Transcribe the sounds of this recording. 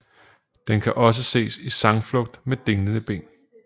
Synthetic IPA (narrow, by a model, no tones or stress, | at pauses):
d̥enkʰæʔɒ̽s̬əse̝̰ːsisɑ̈ŋflɔ̽ɡ̥̚d̥med̥e̝ŋlənəb̥e̝̰ːn